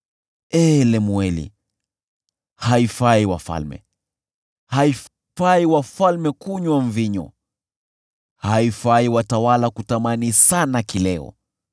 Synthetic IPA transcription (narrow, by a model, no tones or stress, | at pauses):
ɛːlɛmuɛlḭ | haifaiwa̰fa̰lmɛ̰ | hai | faiwafalmɛkuɲwaɱviɲɔ̰ | haifaiwatawalakutamanisanakilɛɔ̰